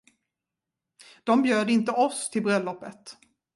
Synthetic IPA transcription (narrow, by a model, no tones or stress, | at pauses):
d̪̥ɔmbjøːd̪ɪnt̪əʔɔst̪ʰɪlbɾœlːɔpːət̪